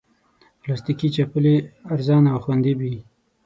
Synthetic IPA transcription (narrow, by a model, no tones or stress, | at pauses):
plɑst̪ikit͡ʃapəleaɾzɑnawxwand̪ibi